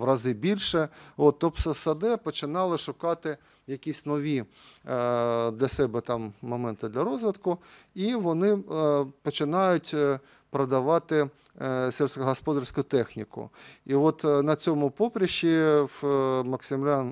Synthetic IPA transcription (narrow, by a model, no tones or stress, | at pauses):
ʋrɐzɪbʲilʲʃɛot̪ːɔpssɐd̪ɛpɔt͡ʃɪnɑlˠɪʃʊkɑt̪ɪ | jɐkʲisʲnɔʋʲi | d̪lʲɐsɛbɛt̪ɑmːɔmɛnt̪ɪd̪lʲɐɾɔzʋɪt̪kʊiʋɔnɪpɔt͡ʃɪnɑjʊtʲ | pɾɐd̪ɐʋɑt̪ɪ | sʲɛlʲsʲkʊɦɔspɔd̪ɐrsʲkʊt̪ɛxnʲikʊ̰iɔt̪nɐt͡sʲɔmʊpɔpɾʲɐʃi | mɐksʲɪmlʲan